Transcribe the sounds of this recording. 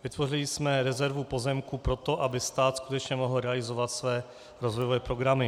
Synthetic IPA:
vɪt̪vo̞rɪlɪsmɛɾɛzɛɾvupo̞zɛmkupɾo̞t̪o̞ʔabɪst̪aːt̪skut̪ɛt͡ʃɲɛmoɦl̩ɾɛalɪzo̞vat̪svɛː | ɾozvojovɛːpɾo̞ɡɾamɪ

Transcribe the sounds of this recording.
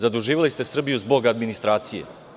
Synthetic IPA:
zad̪uʒiːʋalist̪e̞sr̩bijuzbo̞ɡad̪minist̪ɾaːt̪sijḛ

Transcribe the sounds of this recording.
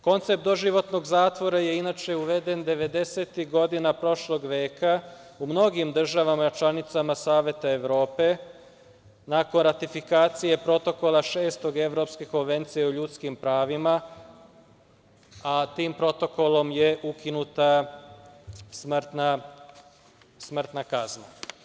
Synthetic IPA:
ko̞nt̪se̞p̚t̪d̪o̞ʒiʋo̞t̪no̞ɡzaːt̪ʋo̞ɾaje̞inat͡ʃe̞uʋe̞d̪e̞nd̪e̞ʋe̞d̪eseːt̪iɡo̞d̪inapɾo̞ʃlˠo̞ɡʋe̞ːkʰa | umno̞ɡimd̪r̩ʒaʋamat͡ʃlˠanit̪samasaːʋje̞t̪aeʋɾo̞ːpe̞ | nako̞nɾat̪ifikaːt̪sije̞pɾo̞t̪o̞ko̞laʃe̞ːst̪o̞ɡe̞ʋɾo̞pske̞ko̞nʋe̞nt̪sije̞uʎut̪skimpɾaːʋima | at̪iːmpɾo̞t̪o̞ko̞lo̞mjeʔukinut̪a | smt̪na | smr̩t̪nakazna

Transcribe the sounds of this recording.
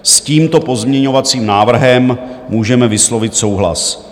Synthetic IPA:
sciːmt̪o̞po̞zmɲɛɲo̞vat͡siːmnaːvr̩ɦɛmːuːʒɛmɛvɪslo̞vɪt̪so̞wɦla̰s

